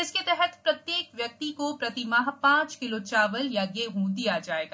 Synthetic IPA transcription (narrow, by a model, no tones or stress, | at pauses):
ɪsket̪ɛɦɛt̪pɾɐt̪jeːkʋjɐk̚t̪ikopɾɐt̪ɪmaɦpãːt͡ʃkɪlot͡ʃaːʋəljaɡeːɦũd̪ijad͡ʒaːeːɡaː